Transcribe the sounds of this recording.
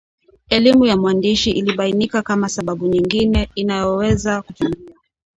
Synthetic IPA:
ɛlimujamwandiʃiʔiliɓainikakamasaɓaɓuɲiŋɡinɛinajɔwɛzakut͡ʃuŋɡia

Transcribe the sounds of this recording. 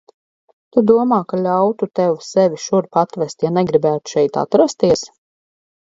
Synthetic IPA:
t̪ud̪uɔmaːkalʲawt̪ut̪ɛwsɛʋiʃuɾpat̪vɛst̪janɛɡɾibæːt̪u̥ʃɛjt̪a̰t̪ɾast̪iɛs

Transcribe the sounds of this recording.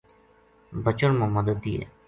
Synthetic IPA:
bət͡ʃəɳmãməd̪əd̪ːiɛ̰ː

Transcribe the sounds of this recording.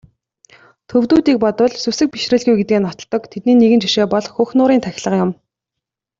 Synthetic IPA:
t̪ʰɵwt̪uːt̪iːk̚pɔt̪ə̆ɮsusɘ̆k̚pi̥ʃrɘ̆ɮɣujɡet̪̚ɡeːnɔt̪ɞ̆ɮt̪ːɞ̆kt̪ʰet̪̚niːneɣɘ̆nt͡ɕiʃeːpɔɮxuːxnʊːɾiːnt̪ʰæxʲɪ̆ɮə̆qjʊm

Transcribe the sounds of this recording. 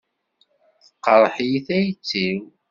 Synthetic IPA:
θqːəɾˤəħjiθæjt͡sːim

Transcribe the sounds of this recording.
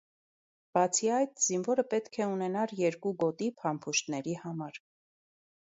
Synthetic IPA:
b̥ɑt͡sʰiɑjt̪z̥invɔɾəpɛt̪kʰɛunɛnɑɾjɛɾkuɡɔt̪ipʰɑmpʰuʃt̪nɛɾihɑmɑɾ

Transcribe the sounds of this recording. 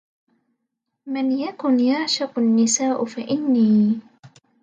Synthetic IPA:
manjakʊnjaʕʃɑqʊnːɪsaːʔʊfaʔɪnːiː

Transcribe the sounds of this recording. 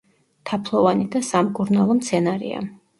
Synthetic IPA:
t̪ʰapʰlˠɔvanid̪asamkʼuɾnalˠɔmt̪sʰɛnaɾḭa̰

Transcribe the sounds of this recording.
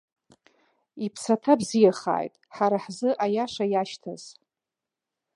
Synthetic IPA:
ipʰsatʰabzijaχa̰ːjtʼħaɾaħzɨʔajaʂajaʃtʰa̰z̥

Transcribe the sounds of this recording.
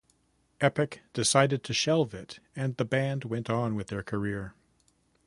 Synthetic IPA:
ʔɛpɨkd̥ɨsaɪɾɨd̚tʰɨʃɛlˠvɪɾɨ̃nðəbæ̃nd̚wɛ̃ntn̩wɨðə˞kʰə˞ɪɹ

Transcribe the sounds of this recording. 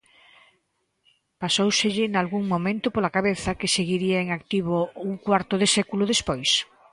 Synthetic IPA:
pasowsɪʎɪnalɣuŋmomẽnt̪ʊpolakaβeθɐkɪseɣiɾiaeŋakt̪iβ̞ouŋkwaɾt̪ʊðɪsɛkulʊðespojs

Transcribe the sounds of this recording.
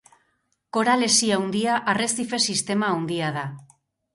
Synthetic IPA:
ko̞ɾale̞siawnd̪iaʔare̞sife̞sist̪e̞maːwnd̪iað̞a

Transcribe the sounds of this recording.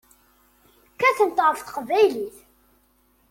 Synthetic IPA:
kæθənt̪ˤəɾˤθθə̥qvæjliθ

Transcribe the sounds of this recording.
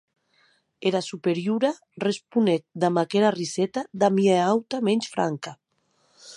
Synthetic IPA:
eɾasupeɾjuɾa | respunet̪̚d̪amakeɾarisɛt̪ad̪amieawt̪amɛnt͡ʃfɾa̰ŋka

